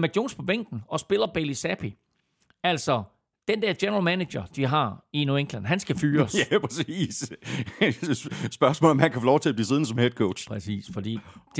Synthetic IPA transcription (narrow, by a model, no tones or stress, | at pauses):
mæɡ̥jo̝̰ːnspʰɒ̽b̥eŋ̰ɡ̥n̩ɒ̽sb̥e̝lɐb̥elisæpʰi | æl̰sɒ | d̥end̥ɛɐ̰̥jenɐʁɐlmæne̥ɕɐd̥iɦɑ̈inueŋ̥lænɦænsɡ̥æfyːɐsæpʰʁɛsiːs | ssb̥ɶɐsmɔ̰ːlnɒ̽mhænkʰæfɔlɒʊt͡sʰe̝æb̥liːseð̞ˠn̩sɒ̽mhed̥̚kʰoʊ̥ɕpʰʁɛsḭːsfɒ̽d̥ḭːd̥